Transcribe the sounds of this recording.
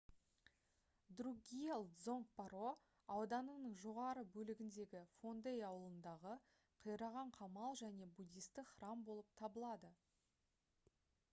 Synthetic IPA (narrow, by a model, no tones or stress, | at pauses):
d̪ruɡʲielˠzo̞ŋk̚pɑɾo̞ | ɑwd̪ɑnənəɴʒo̞ʁɑɾəbɵlɪɡʲɪnd̪e̞ɡʲɪfo̞nd̪ejɑwəlˠənd̪ɑʁə | qʰəjɾɑʁɑɴqʰɑmɑlˠʒæne̞bud̪ʲijst̪ɪkχrɑmbo̞lˠəp̚t̪ʰɑbəlˠɑd̪ə